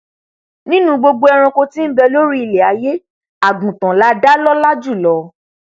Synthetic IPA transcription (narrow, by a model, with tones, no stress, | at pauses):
nĩ˦nũ˦ɡ͡bo˧ɡ͡bo˧ɛ˧ɾ̃ɔ̃˧ko˧tĩ˦n̩˦bɛ˧lo˦ɾi˦i˨le˨a˨˦je˦ | a˨ɡũ˨tã˨la˨˦da˦lɔ˦la˦d͡ʒu˦˨lɔ˨˦